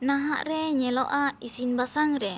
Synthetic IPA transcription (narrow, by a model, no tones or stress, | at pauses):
naɦa̰ʔreɲɛloʔaisinbasaŋre